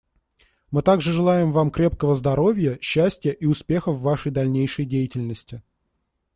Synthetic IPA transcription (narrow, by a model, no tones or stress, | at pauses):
mɨt̪aɡʐɨʐɨlˠajɪmvamkɾʲepkəvəzd̪ɐɾo̞vʲjəɕːæsʲtʲɪjəʔiʊspʲe̞xəvːaʂəjd̪ɐlʲnʲejʂəjdʲejɪtʲɪlʲnəsʲtʲɪ